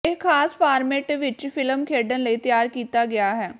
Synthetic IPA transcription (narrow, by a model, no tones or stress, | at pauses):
ekʰaːspʰaːɾmeːʈʋɪt͡ʃpʰɪləmkʰeːɖənləiːt̪ɪjaːɾkiːt̪aːɡɪaːɦɛː